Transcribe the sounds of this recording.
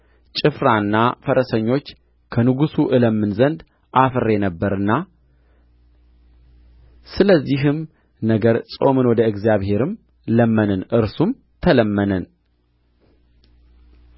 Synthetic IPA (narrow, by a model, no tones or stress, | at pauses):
t͡ʃʼɨfɾanːafəɾəsəɲːo̞t͡ʃː | kʰənɨɡusuʔɨləmːɨnzənd̪ | ʔafɨrːenəbːəɾɨnːa | sɨləzːiɦɨm | nəɡəɾsʼo̞̰mɨnwɔd̪əɨɡzjaβhe̞ɾɨm | ləmːənɨnɨɾsum | t̪ʰələmːənən